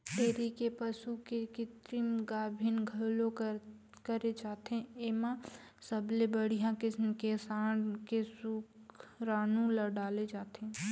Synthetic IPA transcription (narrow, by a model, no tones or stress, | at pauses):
ʈeːɾikepəsukekɪt̪ɾimɡaːbʱinɡʱəlo | kəɾed͡ʒaːt̪ẽemãsəblebəɽ̤ijãkɪkesaːnkesukɾaːnũlaɖaːled͡ʒaːt̪ʰẽ